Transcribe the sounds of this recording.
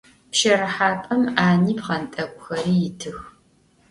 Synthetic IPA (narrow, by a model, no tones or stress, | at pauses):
pʃɐɾɐħaːpʼɐmaːniːpʁɐntʼɐkʷʼʊxɐɾiːjɪtʰɨx